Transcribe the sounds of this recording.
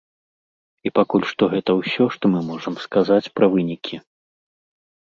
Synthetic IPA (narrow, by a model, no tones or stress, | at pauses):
ipakulʲʂt̪ɔɣɛt̪ɐwsʲɔʂt̪ɔmɨmɔʐɐmskazat͡sʲpɾɐvɨnʲikʲʰi